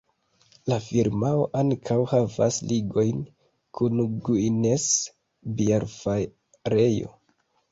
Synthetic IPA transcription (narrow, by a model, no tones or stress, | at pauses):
lafiɾmaoʔaŋkʰawhava̰sliɡo̞jn | kʰunɡuines | biaɾfa | ɾejo̞̰